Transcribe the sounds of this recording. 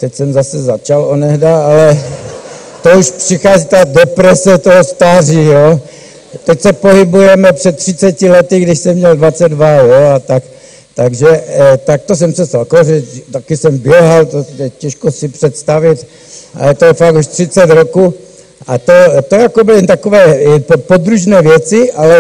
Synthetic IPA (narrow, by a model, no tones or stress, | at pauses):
t̪ɛcsɛmzasɛzat͡ʃalonɛɦdaalɛ | t̪ouʃpr̥ixaːzit̪adɛpɾɛsɛt̪oɦost̪aːrijoː | t̪ɛcsɛpoɦibujɛmɛprɛt̪ːr̥ɪtt͡sɛcɪlɛt̪ɪɡdɪʃsɛmɲɛldvat͡sɛd̪dvajoat̪ak | t̪aɡʒɛt̪ak̚t̪os̬ɛmsɛst̪alkoʒɛt̪akisɛmbɪjɛɦalt̪ojɛcɛʃkosipr̥ɛt̪st̪avɪt̪ | ʔa̰lɛt̪ojɛfaɡuʃt̪r̥it͡sɛt̪ɾokuː | at̪ot̪ojakobɪlit̪akovɛːppod̪ɾuʒnɛːvjɛt͡sɪʔalɛ